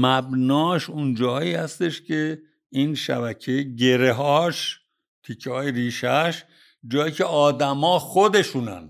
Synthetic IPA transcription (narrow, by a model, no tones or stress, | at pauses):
mæbnɒːʃund͡ʒɒːɦːiːhæst̪e̞ʃcʰe̞ | inʃæ̰bæcʰeɟeɾeɦɒːʃ | t̪ʰicʰːehɒːjeɾiːʃæʃ | d͡ʒɒːjiːcʰe̞ɒːd̪æmɒːxod̪e̞ʃunæ̰n